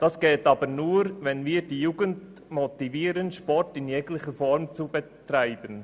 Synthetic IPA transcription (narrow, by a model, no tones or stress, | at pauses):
d̥ɑsɡ̥ɛːtɑːbəɾnuːɾvɛnviːɾdijuːɡənt | mɔtiviːɾənʃpɔrtɪnjɛɡlɪχəfɔɾmt͡subɛtraɪb̥ən